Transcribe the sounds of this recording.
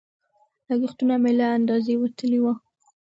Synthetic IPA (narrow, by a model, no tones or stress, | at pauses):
laɡixt̪unamelaːnd̪ɑzewat̪əlewa